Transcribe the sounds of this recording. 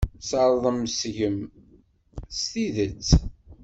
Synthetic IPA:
səɾˤðˤəmsʝəm | st̪iðət͡sː

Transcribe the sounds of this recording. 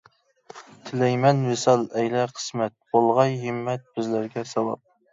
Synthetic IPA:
t̪ʰɪlɛjmɛnwɪsɑlˠɛjlɛqʰə̥smɛt̪̚bolˠʁɑjɦɨmːɛt̪̚b̥ɪzlæɾɡʲɛsɑwɑ̰p̚

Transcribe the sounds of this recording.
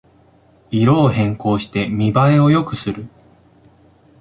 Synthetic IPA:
iɾo̞ːhẽ̞ŋko̞ːɕi̥t̪e̞mʲibaeo̞jo̞kɯ̟sɨɾɯ̟

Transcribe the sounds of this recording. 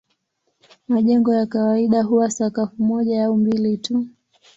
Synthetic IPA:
maʄɛŋɡɔjakawaiɗaɦuwasakafumɔʄaaumbilitu

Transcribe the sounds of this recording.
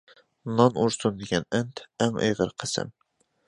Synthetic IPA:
nɑnuɾsund̪eɡʲɛnɛnt̪æŋḛjʁəɾqʰəsɨ̰m

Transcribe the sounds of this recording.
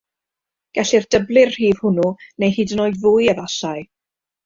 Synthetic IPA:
ɡ̥ɛɬɪrdəblˠɪr̥hiːv̥hʊnunejhiːdənoːɨdvʊːjəvaɬaɨ

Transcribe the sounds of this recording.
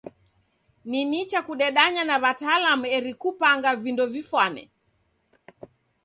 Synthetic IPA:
ninit͡ʃakuɗɛɗaɲanaβataːlamuɛɾikupaŋɡavindɔvifwanɛ̰

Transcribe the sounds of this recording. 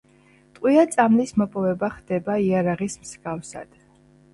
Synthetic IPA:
t̪ʼqʼwiat̪sʼamlismɔpʼɔvɛbaχd̪ɛbaiaɾaʁismsɡafsa̰d̪̥

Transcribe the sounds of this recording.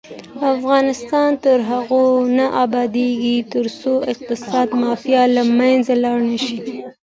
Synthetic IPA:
afɣɑnɪst̪ɑnt̪əɾɦaɣonaʔɑbɑd̪eɡit̪əɾsoɪq̚t̪ɪsɑd̪mɑfjalamanzalɑɽnəʃi

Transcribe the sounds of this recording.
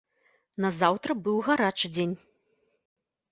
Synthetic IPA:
nɐzawt̪ɾɐbɨwɣaɾat͡ʂɨd͡zʲenʲ

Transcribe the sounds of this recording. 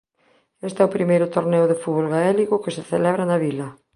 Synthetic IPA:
est̪ɛʊpɾimejɾʊt̪oɾneʊðefuβolɣaɛliɣʊkeseθelɛβ̞ɾanaβilɐ

